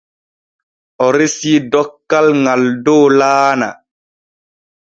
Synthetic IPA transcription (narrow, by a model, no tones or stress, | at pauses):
ɔɾisiːdɔkːalŋaldoːlaːna̰